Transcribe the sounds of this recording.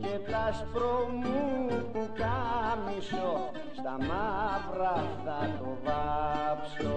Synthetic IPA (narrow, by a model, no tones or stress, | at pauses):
ket̪aspɾomukukamiso | st̪amapɾaðat̪ovapso